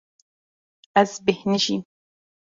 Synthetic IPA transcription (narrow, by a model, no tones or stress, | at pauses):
ʔasbɪhnɪʃi